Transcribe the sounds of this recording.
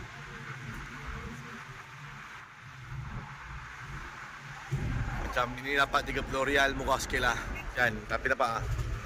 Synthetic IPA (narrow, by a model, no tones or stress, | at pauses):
mat͡ʃaminidapat̪̚t̪iɡəpuloɾialmuɣahsə̥keʔlahd͡ʒant̪apidapaʔa